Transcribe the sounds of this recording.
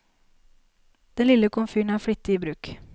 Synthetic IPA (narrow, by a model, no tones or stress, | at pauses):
d̪̥ɛnlɪləkʊmfyːɳ̩æːɾfɽʏt̪ːəiːbɾʉːk